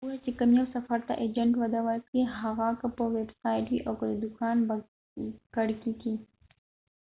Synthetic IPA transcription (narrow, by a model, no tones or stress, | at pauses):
uwat͡ʃekamjawsɐfɐɾt̪a̰ʔed͡ʒɐɳʈwɐd̪awatkiɦaɣakapəwebsaːjʈwiʔawkəd̪əd̪ʊkɑːnba | kɐɽkiki